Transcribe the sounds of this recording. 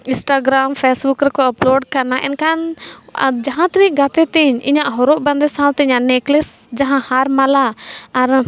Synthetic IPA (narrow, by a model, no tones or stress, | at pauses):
ĩsʈaɡɾampʰɛsbukɾɛkɔəplɔɖkanaʔɛ̰nkan | d͡ʒaɦãt̪ɾiʔɡat̪ɛt̪iɲḭɲaʔɦɔɾɔʔbãnd̪ɛsãwt̪ɛiɲaʔnɛklɛsd͡ʒaɦãhaɾmalaːɾ